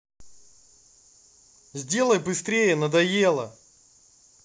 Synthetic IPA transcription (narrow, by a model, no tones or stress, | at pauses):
zʲdʲe̞lˠəjbɨst̪ɾʲejənəd̪ɐje̞lˠə̰